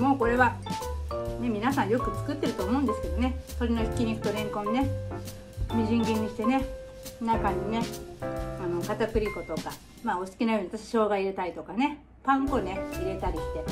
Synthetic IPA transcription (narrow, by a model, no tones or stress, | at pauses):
mo̞ːko̞ɾe̞βa | ne̞mʲinasãɰ̃jo̞kɯ̟t͡sɨ̥kɯ̟t̪ːe̞ɾɯt̪o̞ːmo̞ɯ̃nd̪e̞sɨ̥ke̞d̪o̞ne̞so̞ɾʲino̞çʲi̥kʲiɲ̟ikɯ̟t̪o̞ɾẽ̞ŋkõ̞nːne̞ | ɲiʑĩŋɡʲẽɲ̟ːiɕi̥t̪e̞ne̞ | nakãɲːine | ano̞kat̪akɯ̟ɾʲiko̞t̪o̞ka | maːosɨ̥kʲinajo̞ɲiβat̪aɕi̥ɕo̞ːɡaiɾet̪aɾʲit̪o̞kane̞ | pãŋkone̞iɾe̞t̪aɾʲiɕi̥t̪e̞